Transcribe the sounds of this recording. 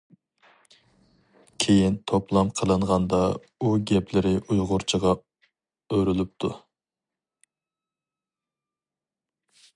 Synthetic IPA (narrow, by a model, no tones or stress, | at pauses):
kʲʰejint̪ʰoplˠɑmqʰəlˠɨɴʁɑnd̪ɑ | uɡʲɛpʰlɪɾɪʔujʁʊɾt͡ʃʰəʁɑ | øɾylyp̚t̪ʰu